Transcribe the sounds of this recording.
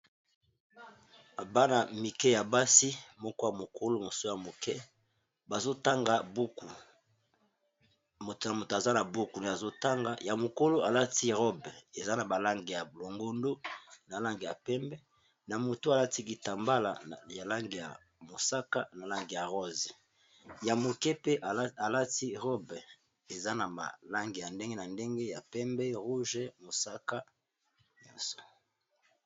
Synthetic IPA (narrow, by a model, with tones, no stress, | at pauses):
ba˦na˨mi˨kɛ˦ja˨ba˦si˦mɔ˦kɔ˦ja˨mo˨ko˦lo˦mo˨so˦ja˨mo˨kɛ˦ | ba˨zo˦ta˦ŋɡa˨bu˦ku˨ | mo˨tna˨mo˨to˨a˨za˦na˨bo˦ku˨ne˨a˨zo˦ta˦ŋɡa˦ja˨mo˨ko˦lo˦a˨la˦ti˦ʁɔ˦be˨za˦na˨ba˨la˦ŋɡi˨ja˨blo˨ŋɡo˦ndo˦na˨la˦ŋɡi˨ja˨pɛ˦mbɛ˦ | na˨mo˨to˦a˨la˦ti˦ki˨ta˨mba˦la̰˨ja˨la˦ŋɡi˨ja̰˨ | mo˨sa˦ka˦na˨la˦ŋɡi˨ja˨ʁɔ˦zi˨ | ja˨mo˨kɛ˦pe˦ʔa˨la˦ti˦ʁɔ˦bɛ˨ | e˨za˦na˨ma̰˨la˦ŋɡi˨ja˨nde˦ŋɡe˦na˨nde˦ŋɡe˦ja˨pɛ˦mbɛ˦ʁu˦ʒe˦mo˨sa˦ka˦ | nɔ̰̃˦nso̥˨